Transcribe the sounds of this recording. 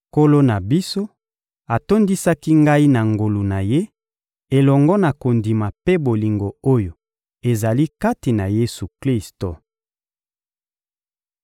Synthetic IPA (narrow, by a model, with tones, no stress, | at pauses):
ko˦lo˦na˨bi˦so˦ | a˨to˦ndi˦sa˦ki˦ŋɡa˦i˦na˨ŋɡo˨lu˨na˨je˦ | e˨lɔ˨ŋɡɔ˦na˨ko˨ndi˨ma˨pe˦bo˨li˨ŋɡo˨o˦jo˨ | e˨za˨li˦ka˦ti˨na˨je˦su˨kli˦sto˨